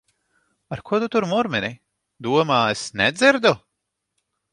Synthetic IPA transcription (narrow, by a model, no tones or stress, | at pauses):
aɾkuɔd̪ut̪uɾmuɾmɛnʲi | d̪uɔmaːesnɛd̪ziɾd̪u